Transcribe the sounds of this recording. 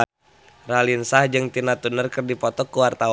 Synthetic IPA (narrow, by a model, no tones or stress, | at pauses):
ralinsahd͡ʒɨŋt̪inat̪unərkɨrdipɔt̪ɔkːuwart̪a